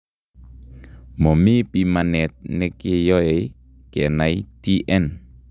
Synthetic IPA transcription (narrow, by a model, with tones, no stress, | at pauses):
mo˨mi˦pi˨ma˨nɛ˨t̪̚ne˦ke˦jɔ˦e˨ | kɛ˨naiti˦ʔɛ˦n